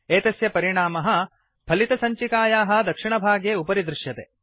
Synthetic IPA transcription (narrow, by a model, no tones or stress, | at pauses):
eːt̪ɐsjɐpɐɾiɳaːmɐɦɐ̆ | pʰɐlit̪ɐsɐɲt͡ʃikaːjaːɦɐ̆d̪ɐkʂiɳɐbʱaːɡjeːupɐɾid̪ɾuʃjɐt̪e